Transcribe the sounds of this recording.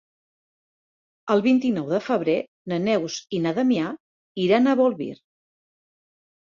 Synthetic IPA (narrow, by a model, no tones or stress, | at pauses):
əlˠβint̪inɔwðəfəβ̞ɾe | nənɛwzinəðəmia | iɾanəβolˠβḭɾ